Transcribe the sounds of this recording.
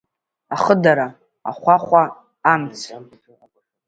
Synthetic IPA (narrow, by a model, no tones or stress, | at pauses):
aχədaɾa | a̰χʷaχʷaː | mt͡sʰ